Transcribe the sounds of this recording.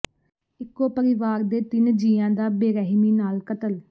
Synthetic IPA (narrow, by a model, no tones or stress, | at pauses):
ɪkːoːpəɾɪʋaːɾd̪eːt̪ɪnd͡ʒiːãːd̪aːbeːɾɛɦmiːnaːlkət̪əl